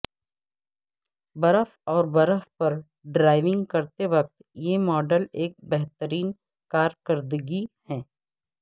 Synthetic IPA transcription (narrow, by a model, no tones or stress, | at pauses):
bɐɾəfɔːɾbɐɾəfpɐɾ | ɖɾaːɪʋɪ̃ŋɡkɐɾt̪eʋɐk̚t̪jemɔːɖəleːk̚bɛɦt̪əɾiːn | kaːɾkəɾd̪ɡihɛ̃ː